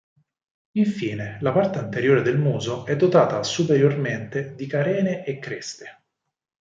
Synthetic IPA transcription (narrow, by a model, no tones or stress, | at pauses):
iɱfiːnelapart̪eant̪eɾjoːɾed̪elmuːzoɛd̪ːot̪aːt̪asupeɾjorment̪ed̪ikaɾɛːneʔekːɾest̪e̥